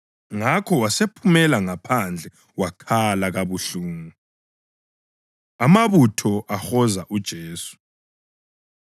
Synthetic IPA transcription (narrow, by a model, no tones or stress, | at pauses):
ŋakʰɔwasepʰumɛlaŋapʰand͡ɮʱɛ | wakʰalaɣaβuɬuːŋu | amaβutʰɔʔaxɔzaʔud̥ʒ̥ʱeːsu̥